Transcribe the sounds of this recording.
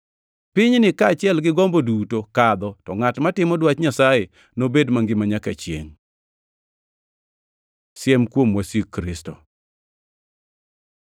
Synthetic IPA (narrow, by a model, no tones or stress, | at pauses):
pɪɲnɪkaːt͡ʃɪɛlɡɪɡɔmbodutokad̪ɔtɔŋatmatɪmɔdwatɲasaje | nobedmaŋɡɪmaɲakat͡ʃjḛŋ | sjɛmkwomwasikɾɪsto